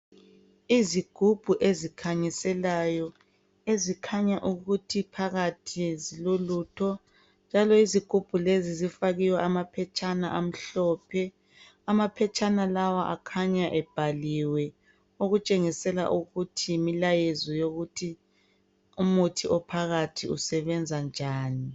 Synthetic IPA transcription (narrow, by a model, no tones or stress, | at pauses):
iziɡ̥ʱub̥ʱuʔezikʰaɲisɛlajɔ | ezikʰaɲaʔuɣutʰipʰaɣatʰizilolutʰɔ | nd͡ʒʱalɔiziɡ̥ʱub̥ʱulezizifaɣiwɛʔamapʰɛt͡ʃʼana̰ʔam̩ɬɔːpʰɛ | amapʰɛt͡ʃʼanalawaʔa̰kʰaɲaʔɛb̥ʱaliwɛ | oɣut͡ʃʼeŋisɛla̰ʔuɣutʰimilajezɔjoɣutʰi | umutʰiʔɔpʰaɣatʰiusɛβɛnd͡zʱand͡ʒʱaːni